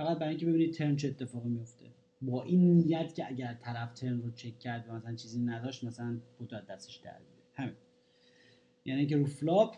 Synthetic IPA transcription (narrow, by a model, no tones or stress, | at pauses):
fæɣæt̪̚bæɾɔjiŋkcebeiːnid̪̚t̪ʰe̞ɾnt͡ʃʰiet̪ʰːe̞fɒːɣimijo̞ft̪e̞̰ | bɒːʔiːnnijæt̪ʰcʰeæɟæɾt̪ʰæɾæft̪ʰe̞ɾnrot͡ʃʰe̞kʰːæɾd̪væmæsælænt͡ʃʰiːziːnæd̪ɒːʃt̪mæsælænbot̪ʰoæːæst̪e̥ʃd̪æ̰ɾbiːɾːɾehæmiːn | jʔæːniːcʰeɾuːflɒːb